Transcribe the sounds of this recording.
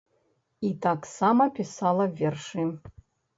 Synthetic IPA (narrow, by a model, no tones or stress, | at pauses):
itʰaksamɐpʰʲisalˠɐvʲerʂɨ